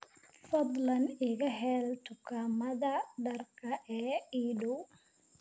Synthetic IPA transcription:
fɑd̪lɐnɪɣɐɦɛlt̪ʰʊkʰaːmɐðɐɖɐrkʰɐʔɛːiːɖʊw

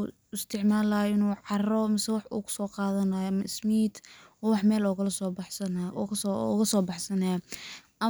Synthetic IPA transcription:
ɪst̪ʰɪʕmaːlaɪnuːʕɑrɔmɪsɛwɑħṵːkʰʊ̥sɔːqɑːðɐnajmɐɪsmiːt̪ɔːwɑħmɛːlɔːɣɐlɐsɔːbɑħsɐnɐsɔɣɐsɔːbɑħsɐnɐjʔɐ

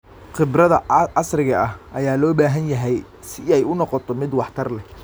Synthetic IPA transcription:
χɪbrɐðɐɑsrɪɣɐʔɐhʔɐjaːlɔːbaːɦɐnjɐɦɛj | sɪɛjʊnɔqɔt̪ʰɔmɪd̪wɑħt̪ʰɐrlɛ

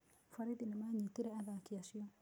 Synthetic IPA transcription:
faɾidinimaɲitiɾɛaðakiaʃiɔ

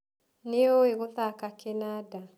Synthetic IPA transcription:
neoeɣoðakakenada

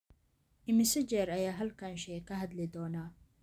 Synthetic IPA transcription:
ʔɪmɪsɪd͡ʒɛɾɐjaːɦɐlkʰaːnʃɛːkʰɐɦɐd̪lɪd̪ɔːnaː

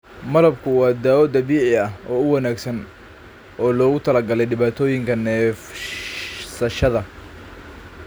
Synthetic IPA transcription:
mɐlɐbkʰʊwɑːd̪aːwɔd̪ɐβiːʕɪɐɦɔːʊwɐnaːɡsɐn | ɔːlɔːɣʊt̪ʰɐlɐɡɐlɛjɖɪβaːt̪ʰɔːjɪŋkʰɐnɛːf | sɐʃɐðɐ

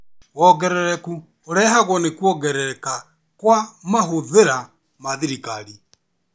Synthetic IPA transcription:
wɔɣɛɾɛɾɛku | oɾɛɦaɣwɔnekwɔɣɛɾɛka | kwamaɦoðeɾa | maðiɾikaɾi

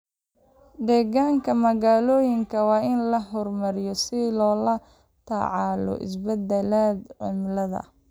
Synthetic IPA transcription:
ɖ̪ɛːɣaːŋkʰɐmɐɣaːlɔːjɪŋkʰɐwɑːɪnlɐɦɔrmɐɾɪjɔsɪlɔːlɐ | t̪ʰa̰ʕɑlɔ̰ʔɪ̰sbɛd̪ɛlaːd̪ʕɪ̰mlɐðɐ̰

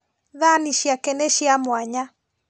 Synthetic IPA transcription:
ðaniʃjakɛnɛʃiamwaɲa

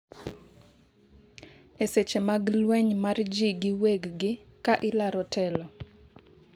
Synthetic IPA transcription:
eset͡ʃemaɡlwɛɲmard͡ʒiɡɪweɡɡɪkaʔɪlaɾɔtɛlɔ

